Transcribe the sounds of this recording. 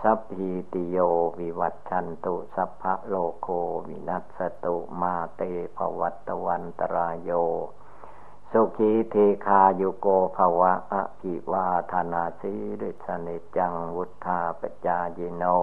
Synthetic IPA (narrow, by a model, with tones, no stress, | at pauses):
sa˦p̚hi˧t̪i˧joː˧wi˧wa˧t̪̚t͡ɕʰa˧nt̪u˧ʔsa˦pʰːa̰˦ʔloː˧kʰoː˧wḭ˧na˧t̪̚sa˧t̪u˧ʔmaː˧t̪eː˧pʰa̰˧wa̰˦t̪ːa˧wa˧nt̪a˧ɾaː˧joː˧ | su˧kʰi˧˦t̪ʰe˧kʰaː˧ju˧koː˧pʰa˧wa˦˥ʔa̰˧ʔpʰi˧˨waː˧t̪ʰa˧naː˧si˦di˧˩t̪̚sa˧ni˧˦t̪̚t͡ɕa˧ŋwu˦t̪ʰːaː˧pa˧˨t͡ɕaː˧ji˧no˧